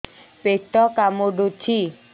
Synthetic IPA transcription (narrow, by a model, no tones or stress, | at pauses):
peʈɔkamoɖot͡ʃʰi